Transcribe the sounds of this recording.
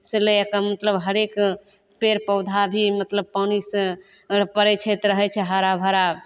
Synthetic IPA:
seleekamət̪ləbɦəɾek | peɾpəwd̪ʱabʱimət̪ləb̚panisə | pəɾɛt͡ʃʰɛt̪ɾəɦɛt͡ʃʰɛɦəɾabʱəɾa

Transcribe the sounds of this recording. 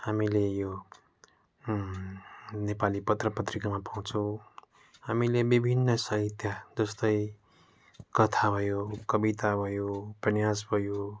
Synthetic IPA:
hamilejo | nepalipʌt̪rʌpʌt̪rikamapaw̃t͡sʰʌ̃w | ɦamilebibʱinːʌsʌɦit̪jad͡zʌst̪ʌj | kʌt̪ʰabʱʌjokʌbit̪abʱʌjoprʌnjas̬bʱʌjo

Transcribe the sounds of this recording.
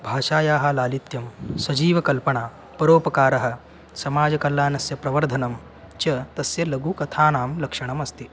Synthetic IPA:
bʱaːʃaːjaːɦɐlaːlit̪jɐmsɐd͡ʒiːʋɐkɐlpɐɳaː | pɐɾoːpɐkaːɾɐɦɐ̆ | sɐmaːd͡ʒɐkɐlːaːnɐsjɐpɾɐʋɐɾd̪ʱɐnɐm | t͡ʃɐt̪ɐsjɐlɐɡukɐt̪ʰaːnaːmlɐkʂɐɳ̃ɐmɐst̪i

